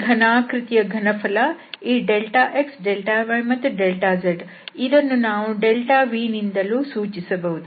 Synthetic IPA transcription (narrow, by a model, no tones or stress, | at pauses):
ɡʱɐnaːkɾit̪ijɐɡʱɐnɐpʰɐlɐiːɖelʈaːʔeksɖelʈaːʋɐɳmɐt̪ːuɖelʈaːzɐɖ | id̪ɐnːunaːʋuɖelʈaːʋiːnind̪ɐluːsuːt͡ʃisɐbɐʋud̪u